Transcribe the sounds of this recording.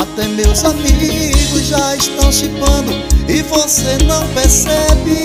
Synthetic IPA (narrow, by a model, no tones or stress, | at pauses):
at̪ɛmewzamiɡʊzʒaiʃt̪ɐ̃w̃ʃipɐ̃nd̪ʊɪvosenɐ̃w̃pesɛbɪ